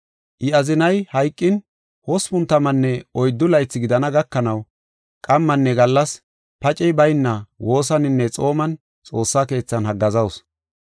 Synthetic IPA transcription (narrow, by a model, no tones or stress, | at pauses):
ʔɪɐzɪnɐjhɐjkʼːɪn | hɔspʊnt̪ːɐmɐnːɛɔjd̪ːʊlɐjt͡sːɪɡɪd̪ɐnɐɡɐkːɐnɐw | kʼɐmːɐnːɛɡɐlːɐs | pɐt͡ʃʼɛjbɐjnːɐwo̞ːs̬ɐnɪnːɛt͡sʼo̞ːmɐn | t͡sʼo̞ːsːake̞ːt͡sːɐnhɐɡːɐzɐws